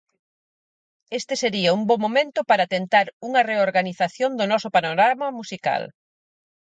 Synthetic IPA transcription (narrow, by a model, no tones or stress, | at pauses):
est̪ɪseɾiɐumbomomẽnt̪ʊpaɾat̪ent̪aɾuŋɐreoɾɣaniθaθjond̪ʊnɔsʊpanoɾamɐmusika̰l